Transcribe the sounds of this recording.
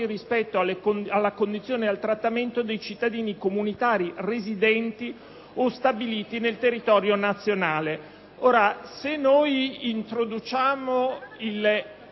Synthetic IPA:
irispɛt̪ːoaleoalːakond̪it̪sːjoːnealt̪ɾat̪ːament̪od̪ejt͡ʃit̪ːad̪iːnikomunit̪aːɾirezid̪ɛnt̪i | ost̪abiliːt̪inelt̪erːit̪ɔːɾjonat̪sːjonaːle | oːɾasenːoːjint̪ɾod̪ut͡ʃaːmoil

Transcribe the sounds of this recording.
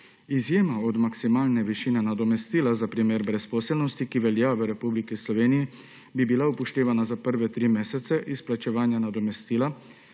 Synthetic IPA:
izjeːmaɔd̪maksimaːlnɛʋiʃinɛnad̪ɔmɛst̪iːlazapɾimeːɾbɾɛspɔːsɛlnɔst̪ikiʋɛljaʋəɾɛpublikislɔʋeːniji | bibilaupɔʃt̪eːʋanazapəɾʋɛt̪ɾiːmeːsɛt̪sɛʔisplat͡ʃɛʋaːnjanad̪ɔmɛst̪iːla

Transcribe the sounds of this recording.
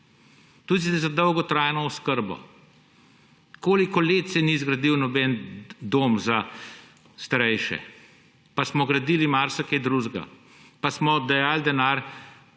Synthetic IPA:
t̪ud̪id̪ɛzad̪ɔwɡɔt̪ɾajnɔɔskəɾbɔ̰ | koːlikɔleːt̪sɛnizɡɾad̪iwnɔbɛnd̪oːmza | st̪aɾɛjʃɛ̰ | pasmɔɡɾad̪iːlimaːɾsɐkɛd̪ɾuʒɡa̰ | pasmɔd̪ajaːld̪ɛnaːɾ

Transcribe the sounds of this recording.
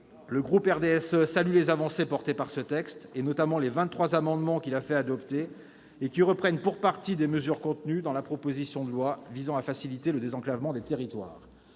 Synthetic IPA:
ləɡʁupɛʁd̪eɛsøsalylezavɑ̃sepɔʁt̪epaʁsət̪ɛkst̪enɔt̪amɑ̃levɛ̃t̪t̪χwazamɑ̃d̪mɑ̃kʲilafɛad̪ɔpt̪eː | kʲiʁəpχɛnpuʁpaʁt̪id̪eməzyʁkɔ̃t̪nyd̪ɑ̃lapχɔpozisjɔ̃d̪əlwavizɑ̃afasilit̪eləd̪ezɑ̃klavmɑ̃d̪et̪eʁit̪wa̰ːʁ

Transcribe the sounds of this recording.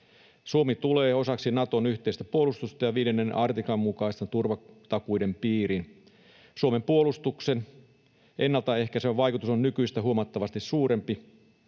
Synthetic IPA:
suomit̪uleːo̞sɑksinɑt̪o̞nyht̪eist̪æpuolust̪ust̪ɑjɑʋiːdenːenɑrt̪ikɑmːukɑist̪ɑt̪urʋɑt̪ɑkuidempiːɾin | suomempuolust̪uksen | ʔenːɑlt̪ɑe̞hkæseʋʋɑjkut̪usonnykyist̪æɦuomɑt̪ːɑʋɑst̪issuːɾe̞mpi

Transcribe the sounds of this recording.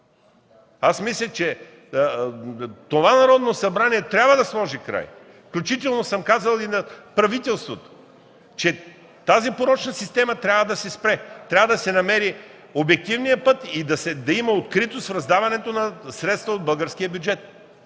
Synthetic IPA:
asmislʲət͡ʃɛ | t̪ovanɐɾɔd̪nosɐbɾaniɛt̪ɾʲabvəd̪ɐslˠɔʒikɾa̰j | fklʲut͡ʃit̪̬ɛlˠnosəmkazəlˠinɐpɾɐvit̪ɛlˠst̪vot̪o̥ | t͡ʃɛ | t̪azipoɾɔt͡ʃnɐsist̪ɛmɐt̪ɾʲabvɐd̪ɐsɛspɾɛt̪ɾʲavvəd̪ɐsɛnɐmɛɾi | obɛk̚t̪ivnijəpɤt̪id̪ɐsɛd̪ɐimɐot̪kɾit̪ost̪fɾɐzd̪avɐnɛt̪onɐsɾɛt̪st̪vɐod̪̚bəlˠɡəɾskijəbʲjʊd͡ʒɛt̪

